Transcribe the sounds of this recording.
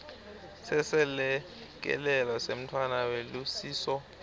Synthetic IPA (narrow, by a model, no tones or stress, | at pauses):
sɛsɛlɛ | k̬ɛ̰lɛlɔsem̩tʰwanawelusiːsɔ